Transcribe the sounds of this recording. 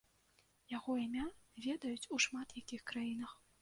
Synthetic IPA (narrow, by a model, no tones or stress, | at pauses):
jaɣɔimʲavʲɛd̪ɐjut͡sʲuʂmat̪jakʲixkɾajin̪ɐx